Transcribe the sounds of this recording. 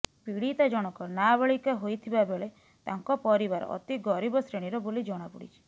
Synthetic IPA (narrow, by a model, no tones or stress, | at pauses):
piɽit̪ad͡ʒɔɽ̃ɔkɔnabeɭikɔɦojt̪ʰibabeɭe | t̪aŋkɔpɔɾibaɾɔ̰ʔɔ̰t̪iɡɔɾibɔsɾeɽ̃iɾɔbolid͡ʒɔɽ̃apuɽḭt͡ʃʰi̥